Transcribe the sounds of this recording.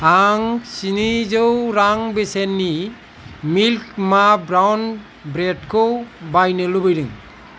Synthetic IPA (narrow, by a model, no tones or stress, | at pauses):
aŋsinizɯwɾaŋbesenːi | milkmabɾawn | bɾetkʰɯwbajnɯlubɯjdɯŋ